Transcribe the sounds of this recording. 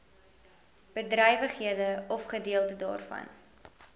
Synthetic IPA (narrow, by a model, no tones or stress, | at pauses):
b̥ədrœjvəχɦiədəɔfχədiəlˠtədɑ̰ːrfɐ̰n